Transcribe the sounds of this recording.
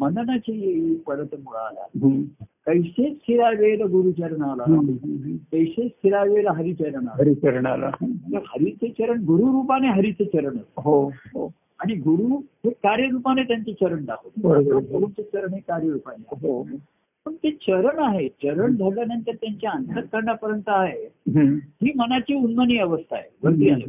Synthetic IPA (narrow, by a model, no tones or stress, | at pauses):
mənd̪ənat͡ɕijeipəɾət̪muɭa̰la̰ɦkəjset͡st̪ʰiɾajʋelaɡuɾuːt͡ɕəɾəɳalaɦɦkəjset͡st̪ʰiɾajʋelaɦəɾiːt͡ɕəɾəɳaɦəɾit͡ɕəɾɳa̰ɾa̰t̪əɾhəɾiːt͡sʰet͡ɕəɾəɳɡuɾuɾupaneɦəɾiːt͡sʰet͡ɕəɾəɳasɦoɦo | aɽ̃iɡuɾuːɦekaɾjəɾupanet̪jaɲt͡ɕet͡ɕəɾəɳd̪akʰot̪bəɾobəɾoəɾuːnt͡set͡ɕəɾəɳɦekaɾjəɾupaneaɦo | pəɳt̪et͡ɕəɾəɳaɦet͡ɕəɾəɳd͡z̪ʱaljanənt̪əɾt̪jaɲt͡ɕjaənt̪əɾək̪̚kːəɾɳjapəɾənt̪əaɦeɦɦiːmənat͡ɕiːunːəniːəʋəst̪ʰa̰ɦḛbʱət̪iaɦḛ